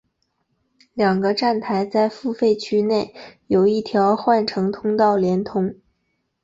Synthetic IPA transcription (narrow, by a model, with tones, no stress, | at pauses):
ljɑ˨˩ŋɡə˦ʈ͡ʂa˥˩nt̪ʰa˧˥ɪt͡sa˥˧ɪfu˥˧fe˥˩ɪt͡ɕʰy˥ne˥˩ɪjo˨˩ʊi˥˩t̪ʰjɑ˧˥ʊxwa˥˧nʈ͡ʂʰɤ˧˥ŋt̪ʰʊ˥ŋt̪ɑ˥˩ʊljɛ˧˥nt̪ʰʊ˧˥ŋ